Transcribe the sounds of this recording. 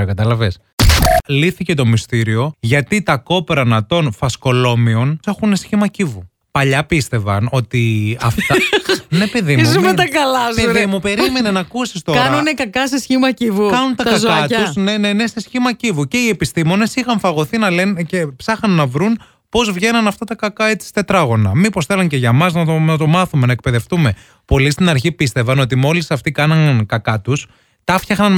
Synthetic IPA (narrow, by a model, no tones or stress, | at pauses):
ɐkɐt̪ɐlɐves | liθice̞t̪o̞mist̪iɾio̞ʝɐt̪it̪ɐko̞peɾɐnɐt̪o̞nfɐsko̞lo̞mio̞ne̞xunesçimɐcivu | pɐʎɐpist̪e̞vɐno̞t̪iɐft̪ɐne̞peðimzumet̪ɐkɐlɐzpeðimupe̞ɾime̞nenɐkusist̪o̞kɐnunekɐkɐsesçimɐcivukɐnunt̪ɐkɐzkɐt̪usnenene̞sesçimɐcivuce̞iepist̪imo̞ne̞sixɐɱfɐɣo̞θinɐle̞nce̞psɐxɐnːɐvɾun | po̞zvʝe̞nɐnɐft̪ɐt̪ɐkɐkɐe̞t͡si̥st̪e̞t̪ɾɐɣo̞nɐ̰mipo̞sθe̞lɐɲce̞ʝɐmɐznɐonɐt̪o̞mɐθume̞nɐek̚pe̞ðe̞ft̪ume̞ | po̞list̪inɐɾçipist̪e̞vɐno̞t̪imo̞lisɐft̪ikɐnɐnkɐkɐt̪us | t̪ɐfçɐxnɐn